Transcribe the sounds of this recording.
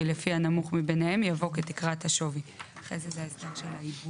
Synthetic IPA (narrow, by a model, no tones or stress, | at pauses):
ilefianamuχmibenehe̞mjavo̞ketikʁathaʃo̞viaχezezeaesdeʁʃelaib